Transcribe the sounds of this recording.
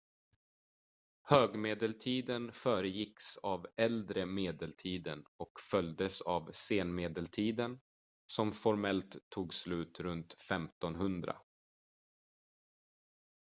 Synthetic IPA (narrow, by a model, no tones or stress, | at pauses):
høːɡmeːd̪əlt̪ʰiːd̪ənfœːɾəjɪksavɛld̪ɾəmeːd̪əlt̪ʰiːd̪ə̰nɔkfœld̪əsavseːnmeːd̪əlt̪ʰiːd̪ən | sɔmfɔɾmɛlt̪ʰːuːɡslʉ̟ːt̪ɾɵnt̪fɛmt̪ɔnɦɵnd̪ɾa̰